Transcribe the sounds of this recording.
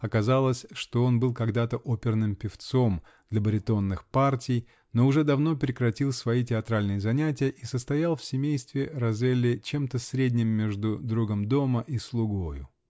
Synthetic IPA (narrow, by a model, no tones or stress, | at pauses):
ɐkɐzalˠəsʲʂt̪o̞o̞nbɨlˠkɐɡd̪at̪əʔopʲɪrnɨmpʲɪft̪so̞m | d̪lʲɐbəɾʲɪt̪o̞nːɨxpartʲɪj | no̞ʊʐɛd̪ɐvno̞pɾʲɪkɾɐtʲilˠsvɐitʲɪɐt̪ɾalʲnɨjəzɐnʲætʲɪjəʔisəst̪ɐjalˠfʲsʲɪmʲejst̪vʲɪɾɐzelʲːɪt͡ɕemt̪əsɾʲedʲnʲɪmːʲeʐd̪ʊd̪ɾuɡəmd̪o̞məʔislˠʊɡo̞jʊ̰